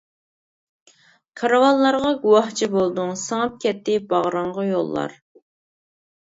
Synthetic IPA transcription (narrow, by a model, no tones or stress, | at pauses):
kʰɑɾɑwɑlˠːɑɾʁɑɡuwɑht͡ʃʰibolˠd̪uŋsɑŋɑp̚kʲɛt̪ːɪbɑʁɾɑɴʁɑjolˠːɑ̰ɾ